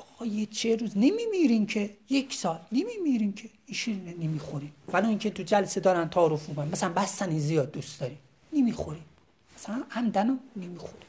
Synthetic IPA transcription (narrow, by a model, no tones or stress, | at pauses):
ɒɣɒjet͡ʃʰeɾuːznemimiɾimcʰejekʰsɒːlnemimiɾiːmcʰe | iʃininenemiːxoɾiːmvæloːiːcʰet̪ʰud͡ʒælsed̪ɒːɾænt̪ʰæːɾofmiːkʰonæmæsælæmbæst̪æniːzijɒːd̪̚ːust̪d̪ɒɾi | nemixoɾim | mæsælænʔæmd̪ænonemixoɾi̥